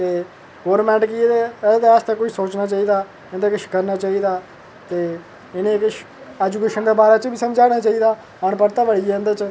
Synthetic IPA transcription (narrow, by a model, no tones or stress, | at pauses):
t̪eː | ɡoːɾmɛ̃ːɳʈkieed̪est̪ẽːkʊʃisoːt͡ʃnaːt͡ʃaːiːd̪aː | ɪnd̪eːkɪʃkəɾnaːt͡ʃaːiːd̪aː | t̪eː | ɪnẽːkʃ | ɛːd͡ʒuːkeːʃənd̪eːbaːɾaːt͡ʃbiːsəmd͡ʒaːɽ̃aːt͡ʃaːiːd̪aː | əɳpəɾt̪aːbəɽiɛ̃nd̪et͡ʃ